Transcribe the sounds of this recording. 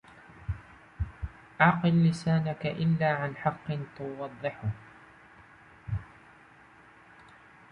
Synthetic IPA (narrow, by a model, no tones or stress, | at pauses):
ʔɑʕqɨlːɪsaːnakaʔɪlːaːʕanħɑqːɨnt̪ʊwɑd̪ˤːɨħʊh